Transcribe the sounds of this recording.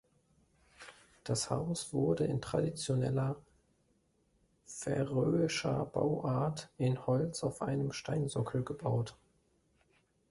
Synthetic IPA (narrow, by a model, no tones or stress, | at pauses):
d̥asha̰ʊsv̥ʊɐdəɪntʁ̥adit͡sjonɛ̰lɐ | fɛ̰ʁøːɪʃɐ̰b̥a̰ʊʔaɐtʔɪnhɔlt͡saʊfʔaɪnəmʃtaɪnzɔkʰl̩ɡəbaʊt